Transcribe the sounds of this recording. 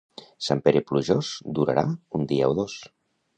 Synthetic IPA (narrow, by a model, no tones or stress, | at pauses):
sampeɾipluʒosd̪uɾa̰ɾa̰und̪iaoðos